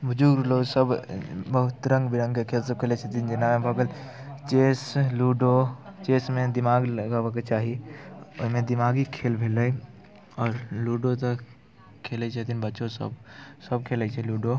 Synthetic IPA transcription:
bəd͡ʒuɡɾloːɡsəbbəɦʊt̪ɾə̃ŋɡbʱiɾə̃ŋɡkekʰeːlsəb̚kʰeːlet͡ʃʰət̪ind͡ʒɪnamẽbʱəɡəl | t͡ʃeːsluːɖot͡ʃeːsmẽd̪ɪmaːɡləɡaːʋək̬et͡ʃaːɦio̰ɦmẽd̪ɪmaːɡikʰeːlbʱeːləi | ɔːɾluːɖot̪o | kʰeːlət͡ʃʰət̪inbəːʃosə̰bsəb̚kʰeːlət͡ʃʰɛluːɖo

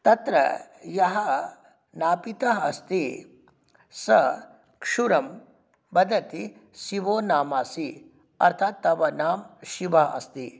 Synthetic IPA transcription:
t̪ɐt̪ɾɐ̰jɐɦɐ | naːpit̪ɐɦɐst̪i | sɐ | kʂuɾɐm | bɐd̪ɐt̪isiʋoːnaːmaːsi | ɐ̰ɾt̪ʰaːt̪ːɐʋɐnaːmʃiʋɐɐ̰st̪i

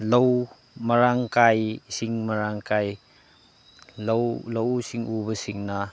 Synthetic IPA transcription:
low | mɐɾaŋkajsiŋmɐɾaŋkaj | lowlowsiŋʔubɐsiŋna

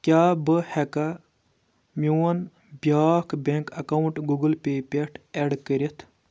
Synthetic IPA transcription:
kʲaːbɨhekɐ | muwɐn | bjaːkbeŋkɐkɐwuɳʈɡuɡəlpeːpeʈʰeɖkəɾet̪ʰ

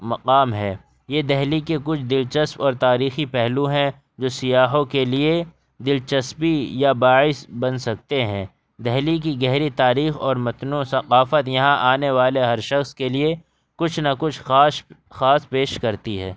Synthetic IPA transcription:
mɐqaːmɦɛː | jed̪ɛɦlikekʊt͡ʃʰd̪ɪlt͡ʃɐspɔːɾt̪aːɾiːxipɛɦluɦɛ̃ | d͡ʒoːsɪjaːɦõkelie | d̪ɪlt͡ʃɐspijabaːɪsbɐnsɐk̚t̪eɦɛ̃ː | d̪ɛɦlik̬iɡɛɦɾit̪aːɾiːxɔːɾmɐt̪nõsɐqaːfət̪jɐɦãʔaːneʋaːleɦɐɾʃɐxskelie | kʊt͡ʃʰnakʊt͡ʃʰaː | xaːspeːʃkɐɾt̪iɦɛ̰ː

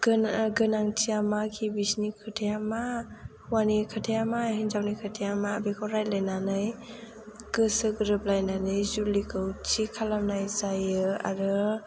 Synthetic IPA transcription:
ɡɡɯnaŋtʰiamakʰibisnikʰɯtʰejama | wanikʰatʰejamaɦinzawnikʰatʰejamaːbikʰawɾajlajnanɯj | ɡ̥ɯsɯɡɾɯp̚lajnanɯjzulikʰɯwt͡ʃʰikʰalamnajzajɯa̰ɾɯ

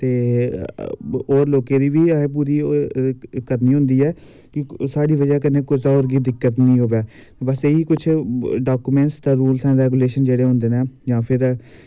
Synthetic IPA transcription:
t̪eː | oːɾloːkeːd̪iːʋiːẽːp̬uːɾiː | kəɾniːɦʊ̃nd̪iːɛː | kɪsaːɖiːʋəd͡ʒəkənẽːkʊsaoːɾɡiːd̪ɪkːət̪nĩːɦoːʋjaː | bəseiːkʊt͡ʃʰɖaːkuːmẽːɳʈsd̪ãːɾuːlsɛ̃ːɾɛːɡuːleːʃənd͡ʒeːɽeːɦʊ̃nd̪eːnɛ̃ːd͡ʒãːpʰɪɾ

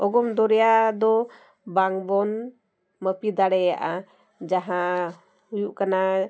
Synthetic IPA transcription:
ɔɡɔmd̪ɔɾɛjad̪ɔ | baŋbɔn | məpid̪aɽɛja̰ʔa | d͡ʒaɦã | ujuʔkana

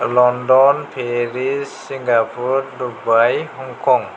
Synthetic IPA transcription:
lɔndɔnpʰeɾisːiŋɡapʰuɾdubajɦuŋkʰɔŋ

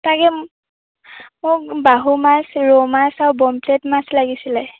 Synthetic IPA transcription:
takɛ | mʊk̚baɦumasɹɔmasaɹbɔmpletmaslaɡisilɛ

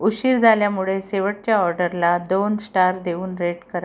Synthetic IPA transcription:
uɕiːɾd͡zʱaljamuɭeseʋəʈ̚t͡ɕjaɔɾɖəɾlad̪onsʈaɾd̪euːnɾeʈkəɾa

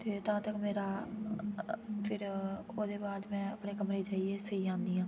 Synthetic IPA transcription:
t̪eːt̪ãːt̪əkmeːɾaː | pʰɪɾoːd̪eːbaːd̪mɛ̃ːəpɳeːkəmɾeːd͡ʒaːieːsəiːãːnd̪iːãː

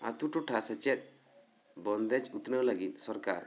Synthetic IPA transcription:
a̰t̪uʈɔʈʰasɛt͡ʃɛt̪̚ˀ | bɔnd̪ɛd͡ʒut̪nəlaɡit̪̚sɔɾka̰ɾ

